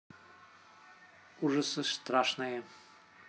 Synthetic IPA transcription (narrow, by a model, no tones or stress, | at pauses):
uʒəsəst̪ɾaʃnajɛ